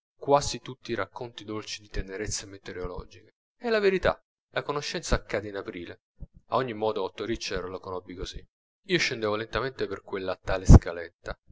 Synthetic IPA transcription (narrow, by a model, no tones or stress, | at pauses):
kwazit̪ut̪ːiːɾakːont̪id̪olt͡ʃid̪it̪eneɾet̪sːemet̪eɾeolɔ̰ːd͡ʒike | ɛlaveɾit̪a̰ | lakonoʃːɛnt̪saːkːaːd̪einapɾiːle | a̰ɔɲːimːɔːd̪oɔt̪ːoɾit͡ʃːɛɾolokonɔbːikosi | iːoʃːend̪eːvolent̪ament̪eperkwelːat̪aːleskalet̪ːa